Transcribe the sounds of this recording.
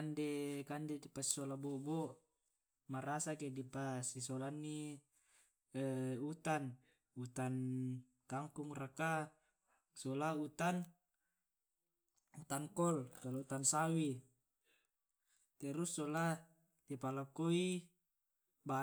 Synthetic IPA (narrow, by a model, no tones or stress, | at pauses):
ndekandedipasi̥solaboboʔ | maɾasakedipasisolanːi | ut̪an | ut̪an | kaŋkuŋraka | solaut̪an | ut̪aŋkɔlkalout̪ansawi | t̪ɛɾusːola | dipalakoi | ba